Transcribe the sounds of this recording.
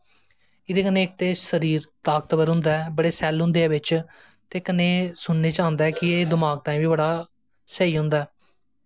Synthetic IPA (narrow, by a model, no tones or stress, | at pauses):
ɪd̪eːkənẽːɪk̚t̪eːsəɾiːɾt̪aːk̚t̪bəɾɦʊ̃nd̪aːɛːbəɽeːsɛːlɦʊ̃nd̪eːɛːʋɪt͡ʃ | t̪eːkənːeːsʊnneːt͡ʃãːnd̪aːɛːkɪeːd̪ɪmaːɡ̚t̪ãːĩːʋiːbəɽaː | səiːɦʊ̃nd̪aːɛː